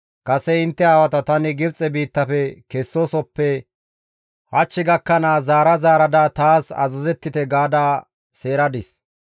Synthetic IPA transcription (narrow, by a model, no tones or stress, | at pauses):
kɐsɛɪnt̪ːɛaːwɐt̪ɐt̪ɐnɪɡɪbt͡sʼɛbiːt̪ːɐfɛkɛsːosɔpːɛ | hɐt͡ʃːɪɡɐkːɐnaːzaːɾɐzaːɾɐd̪at̪aːsɐ̰zɐzɛt̪ːɪt̪ɛɡaːd̪aː | se̞ːɾɐd̪ɪs